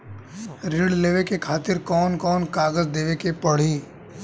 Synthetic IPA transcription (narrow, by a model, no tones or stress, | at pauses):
ɾɪɽleːʋekekʰaːt̪ɪɾkɔːnkɔːnkaːɡəzd̪eːʋekepəɽ̤iː